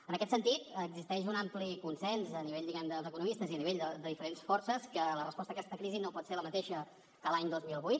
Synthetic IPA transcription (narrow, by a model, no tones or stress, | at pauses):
ənəkɛt̪sənt̪it̪əɡzist̪ɛʃunamplikunsɛnzəniβeʎd̪iɣand̪əlˠzəkunumist̪əziəniβeʎd̪əd̪əðifəɾensfɔɾsəskələrəspɔst̪əkɛst̪əkɾizinopɔt̪seɾləmət̪eʃə | kəlaɲd̪ozmilˠβujt̪